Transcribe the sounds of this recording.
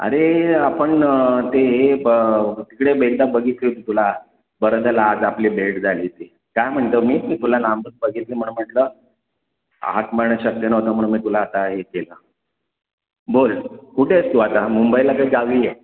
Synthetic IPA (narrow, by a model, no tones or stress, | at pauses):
ə̰ɾeapəɳt̪eɦe | t̪ikɽebʱeɾd̪abəɡʱit̪lit̪it̪ula | bəɾəd̪ʱəlaːd͡zapliːbʱeʈd͡zʱaliːt̪e | kajm̤əɳt̪əmiːmiːt̪ulanambək̪̚bəɡit̪lim̤əɳũm̤əʈlə | a̰t̪məɾɳəɕək̚ːjənəɦot̪əːm̤əɽũmiːt̪ulaːt̪aɦekelə | bolkuʈʰest̪uat̪amumbəilakaiɡaʋije